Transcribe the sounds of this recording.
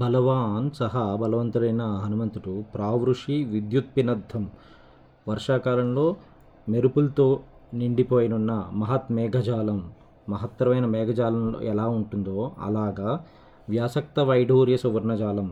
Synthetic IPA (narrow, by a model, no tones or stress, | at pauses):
bʱɐlɐʋaːnsɐɦɐbʱɐlɐʋɐnt̪ɐɾɐjnɐɦɐnumɐnt̪uʈupɾaːʋɾuʂiʋid̪jut̪̚pinɐd̪ʱːɐm | ʋɐɾʂaːkaːlɐmloː | meɾupult̪oː | niɳɖipoːjɐnunːɐmɐɦɐt̪mɛːɡʱɐd͡ʒaːlɐmː | ɐɦɐt̪ːɾɐʋɐjnɐmɛːɡʱɐd͡ʒaːlɐmlo̰ːɛlaːuɳʈund̪o̞ːɐ̰laːɡaː | ʋjaːsɐk̚t̪ɐʋɐjɖʱuːɾjɐsuʋɐɾnɐd͡ʒaːlɐm